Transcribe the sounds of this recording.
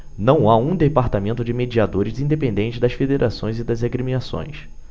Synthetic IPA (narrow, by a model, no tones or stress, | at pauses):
nɐ̃w̃aũd̪epaɾt̪amẽnt̪ʊd͡ʒɪmed͡ʒiad̪oɾɪzĩd̪epẽnd̪ẽnt͡ʃɪd̪ɐsfed̪eɾʔasõj̃zɪd̪ɐzeɡɾimĩnasõ̰j̃s